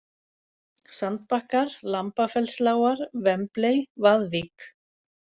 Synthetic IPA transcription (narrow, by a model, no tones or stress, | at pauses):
sant̪̚pahkaɾlampafɛlslaːwaɾvɛmplejvaðvik